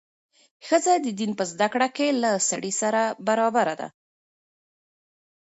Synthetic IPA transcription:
xəzad̪əd̪inpəzd̪akɽakelasaɽisaɾabaɾɑbaɾad̪a̰

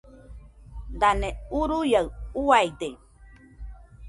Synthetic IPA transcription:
d̪aneuɾujaɯuajd̪e

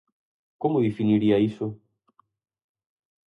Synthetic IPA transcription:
kɔmuβifiniliaisɔ

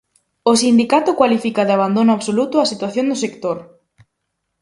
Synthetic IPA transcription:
ʊsind̪ikat̪ʊkwalifikaðɪaβ̞and̪onʊaβsolut̪ʊasit̪waθjõnd̪ʊsekt̪oɾ

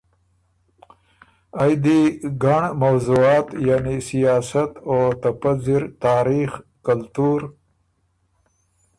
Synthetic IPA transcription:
ajd̪iɡaɳmawzuɑːt̪jaːnisijɑːsat̪ot̪apazɪɾt̪ɑːɾixkalt̪uɾ

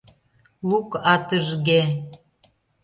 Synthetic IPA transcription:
lukɑt̪əʒɣe

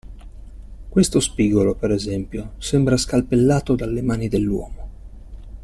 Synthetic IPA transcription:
kwest̪ospiːɡolopeɾezɛmpjosɛmbɾaskalpelːaːt̪od̪alːemaːnid̪elːwɔ̰ːmo

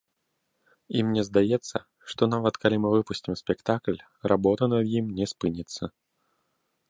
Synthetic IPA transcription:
imnʲɛzd̪ajɛt̪sːɐ | ʂt̪ɔnavɐt̪kʰalʲimɨvɨpusʲt͡sʲimsʲpʲɛkt̪aklʲ | rabɔt̪ɐnɐd̪jimnʲɛspɨnʲit̪sːɐ

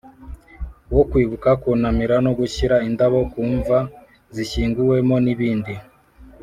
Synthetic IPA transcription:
wokwiːβukakunamiɾanoɡuɕiɾaindaβo̞kuːɱva | ziɕiːŋɡuwe̞mo̞niβiːndi

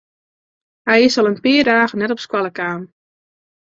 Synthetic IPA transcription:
hɛjɪsɔlˠənpɪədaːɣənɛtɔpskwalˠəkaːn

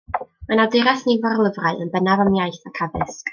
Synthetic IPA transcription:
manadɪɾaθnivɔrlˠəvraɨʔənbɛnavamjajθakʰaðɪsk

